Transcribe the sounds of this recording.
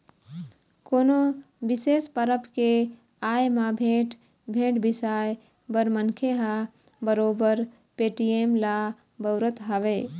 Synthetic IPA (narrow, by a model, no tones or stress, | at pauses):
koːno | ʋɪseːspəɾəpʰke | aːjmãbʱeːʈ | bʱẽːʈbɪsaːj | bəɾmənkʰeɦa | bəɾoːbəɾ | peːʈijeːmla | bəʊɾət̪ɦaʋeː